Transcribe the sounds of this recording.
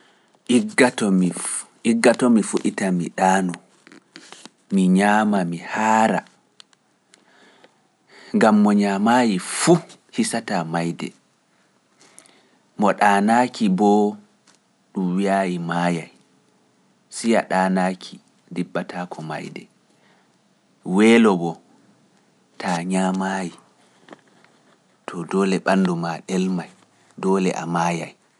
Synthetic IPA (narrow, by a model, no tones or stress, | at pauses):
ʔiɡatɔmi | iɡːatɔmifuɗitamiɗaːnɔ | miɲaːmamihaːɾa̰ | ŋɡamːɔɲaːmajifu | hisatamajdɛ̰ | mɔɗaːnaːkʰibɔ | ɗumwiaːjimajaj | sija̰ɗaːnaːkʰi | dibːatʰaːkʰɔma̰jdɛ̰ | wɛːlɔbɔ | tʰaɲamaji | tʰɔdɔːlɛɓanːdumaɗɛlmaj | dɔːlɛ̰ʔa̰maːjaj